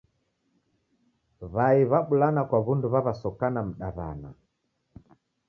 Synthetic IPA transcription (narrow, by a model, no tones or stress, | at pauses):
βaiβaɓulanakwaβunduβaβasɔkanam̩ɗaβa̰na